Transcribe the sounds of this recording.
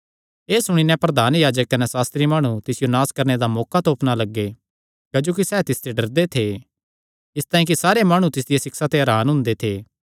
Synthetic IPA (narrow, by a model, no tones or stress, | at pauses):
eːsʊɽ̃inɛ̃pɾɐd̪aːnjaːd͡ʒəkːɐnɛsaːst̪ɾimaːɽ̃ũt̪ɪsɪjonaːskɐɾned̪amɔːkat̪oːpnalɐɡːe | kaːd͡ʒoːkisɛːt̪ɪst̪eɖɐɾd̪et̪ʰe | ɪst̪aːĩk̬isaːɾemaːɽ̃ũt̪ɪs̬d̪ɪjesɪksat̪eɦɐɾaːnɦʊ̃nd̪et̪ʰeː